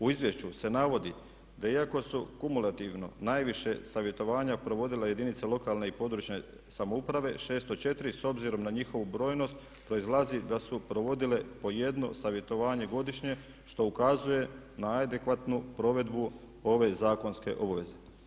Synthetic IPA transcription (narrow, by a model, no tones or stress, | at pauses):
uizʋje̞ʃt͡ɕuse̞naʋo̞d̪i | d̪aiako̞sukumulat̪iʋno̞̰najʋiʃe̞saʋje̞t̪o̞ʋaːɲapɾo̞ʋo̞d̪ilaje̞d̪init̪selo̞kalne̞ipo̞d̪ɾuːt͡ʃne̞ | samoupɾaʋe̞ʃe̞ːst̪ot͡ʃe̞t̪iɾiso̞bziɾo̞mnaɲixo̞ʋubɾo̞ːjno̞st̪ | pɾo̞izlˠazid̪asupɾo̞ʋo̞d̪ile̞po̞je̞d̪no̞̰saʋje̞t̪o̞ʋaːɲe̞ɡo̞d̪iʃɲe̞ | ʃt̪o̞ukazuje̞ | naad̪e̞kʋat̪nupɾo̞ʋe̞d̪bu | o̞ʋe̞zaːko̞nske̞̰ʔo̞baʋe̞ze̞